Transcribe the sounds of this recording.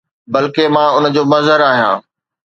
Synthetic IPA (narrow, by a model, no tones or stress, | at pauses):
bɐlkemãːʊnə̆d͡ʑoːmɐzəɾaːɦijã̰ː